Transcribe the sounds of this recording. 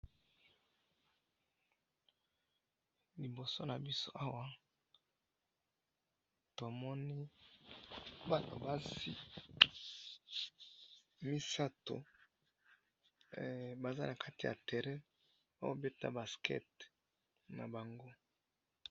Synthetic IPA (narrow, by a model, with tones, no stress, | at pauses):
li˨bo˨so˦na˨bi˦so˦ʔa˦wa˦ | to˨mɔ˦ni˦ | ba˨to˨ba˦zḭ˦ | mi˦sa˦to̰˨ | ba˨za˦na˨kʰa˦ti˨ja̰˨tɛ˨ʁɛ˦ | o̰˦wo˦be˦ta̰˦ba˨skʰɛ̰˦t̚ | na˨ba˨ŋɡo˦